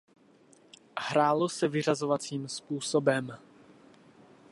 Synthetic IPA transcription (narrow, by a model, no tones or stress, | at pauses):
hɾaːlo̞sɛvɪr̝azovat͡siːmspuːsobɛm